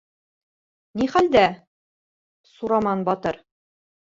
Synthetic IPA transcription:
niχæld̪æ | suɾɑmɑnbɒt̪ɤɾ

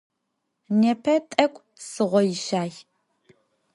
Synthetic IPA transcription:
nepʰɐtʼɐkʷʼ | sɨʁʷɔjɪʃaːj

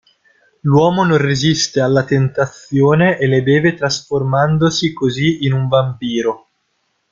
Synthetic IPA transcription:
lwɔːmononrezist̪ealːat̪ent̪at̪sjoːneʔeled̪ɛːvet̪ɾasformand̪osikoziinuɱvampiːɾo

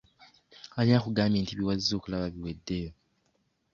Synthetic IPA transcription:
alinakuɡaːmbeːntiβiwazːo̞ːkulaβaβiwedːe̞jo

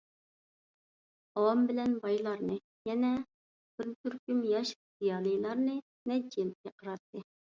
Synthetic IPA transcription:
ɑwɑmbɪlɛnbɑjlˠɑɾnɨ | jɛnɛ | b̥ɪɾt̪ʰyɾkʲymjɑʃ | zijɑːlˠɨjlˠɑɾnɨ | nɛt͡ʃʰːijl̚kʲɛqʰəɾɑt̪ːɨ

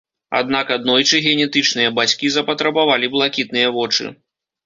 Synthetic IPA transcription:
a̰d̪nakad̪̚nɔjt͡ʂɨɣʲɛnʲɛt̪ɨt͡ʂnɨjɐbat͡sʲkʲizɐpɐt̪ɾɐbavalʲiblˠakʲit̪̚nɨjɐvɔt͡ʂɨ̰

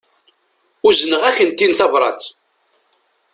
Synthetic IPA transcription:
uzənəʁæçənt̪ːinθɑvɾˤɑ̰t̪

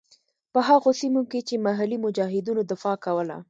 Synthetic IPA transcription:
pəɦaɣosimoket͡ʃemaɦalimʊd͡ʒɑɦɪd̪unod̪ɪfɑkawəla̰

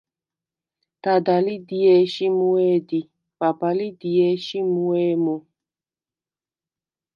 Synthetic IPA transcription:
tadalidiɛʃimuɛdi | pabalidiɛʃimuɛːmo

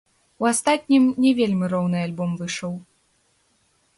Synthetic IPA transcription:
uast̪at̪̚ʲnʲimnʲɛvʲelʲmʲɨɾɔwnɨalʲbɔmvɨʂɔw

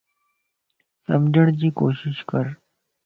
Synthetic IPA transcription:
səmd͡ʑəɽ̃d͡ʑiːkoːɕiɕkəɾ

